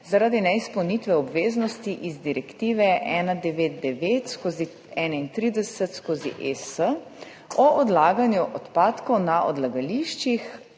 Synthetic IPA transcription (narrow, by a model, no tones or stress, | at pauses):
zaɾaːd̪inɛispɔwnit̪ʋɛɔbʋeːznɔst̪iʔizd̪iɾɛkt̪iːʋɛʔɛːnad̪ɛʋeːt̪̚d̪ɛʋeːt̪skozi | ɛːnaint̪ɾiːd̪ɛsɛt̪skoːzḭʔesə | ɔʔɔd̪laːɡanjuʔɔt̪paːt̪kɔwnaʔɔ̰d̪laɡaliʃt͡ʃix